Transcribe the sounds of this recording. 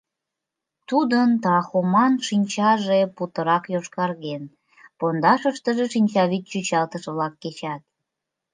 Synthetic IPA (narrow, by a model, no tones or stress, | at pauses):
t̪ud̪ənt̪ɑxomɑnʃinʲt͡ɕɑʒeput̪əɾɑkjoʃkɑrɣen | pond̪ɑʃəʃt̪əʒeʃinʲt͡ɕɑβit̪t͡ɕyt͡ɕɑlt̪əʃβlɑkːet͡ɕɑt̪̚